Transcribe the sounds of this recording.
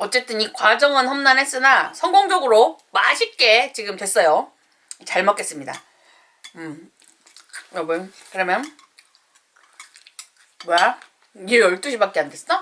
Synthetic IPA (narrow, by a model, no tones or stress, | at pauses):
ʌt͡ɕ͈e̞t͈ɯnikwad͡ʑʌŋɯnhʌmnanɦe̞s͈ɯnasʰʌŋɡoŋd͡ʑʌɡɯɾo | ma̰ɕʰit̚k͈e̞t͡ɕiɡɯmtwe̞s͈ʌjo | t͡ɕaɭmʌk͈e̞s͈ɯmɲida̰ | ɯ | ɾʌbɯn | kɯɾʌmjʌn | wa | iɾʌɭt͈uɕʰibak͈eande̞s͈ʌ